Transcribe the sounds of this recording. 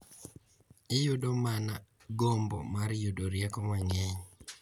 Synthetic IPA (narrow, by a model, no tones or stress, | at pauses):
ɪjʊdomana | ɡombɔ̰maɾjʊdoɾjɛkɔmaŋɛɲ